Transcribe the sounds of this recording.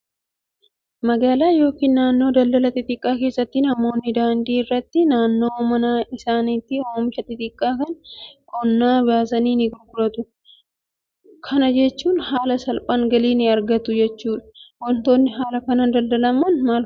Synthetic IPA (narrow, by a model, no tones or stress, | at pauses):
mɐɡaːlaːjo̞ːkiːnnaːnːo̞ːd̪ɐld̪ɐlɐt̪ːɪt̪ʼɪkʼːaːke̞ːsːɐt̪ːɪnɐmo̞ːnːɪd̪aːnd̪iːɪrːɐt̪ːɪnaːnːo̞ːmɐnaːɪsaːniːt̪ːɪoːmɪʃɐt̪ːɪt̪ɪkʼːaːkɐnkʰɔnːaːbɪjaːsɐniːnɪɡʊɾɡʊɾɐt̪ʊ | kʰɐnɐd͡ʒɛt͡ʃːuːnhaːlɐsɐlpʼaːŋɡɐliːnɪɐɾɡɐt̪ʊd͡ʒɛt͡ʃːuːᶑɐ̥wɔnt̪o̞ːnːɪɦaːlɐkɐnɐnd̪ɐld̪ɐlɐmɐnmaːlf